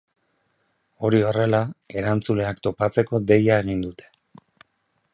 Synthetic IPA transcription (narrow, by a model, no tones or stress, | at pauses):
o̞ɾio̞re̞lae̞ɾant͡sule̞akt̪o̞pat͡se̞ko̞d̪e̞jae̞ɣ̞ind̪ut̪e̞̥